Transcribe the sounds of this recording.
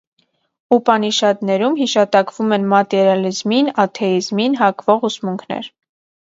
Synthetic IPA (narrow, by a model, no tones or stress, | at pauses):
upɑniʃɑd̪nɛɾumhiʃɑt̪ɑkvumɛnmɑt̪ɛɾjɑlizminɑt̪ʰɛizminɦɑkvɔʁusmuŋkʰnɛ̰ɾ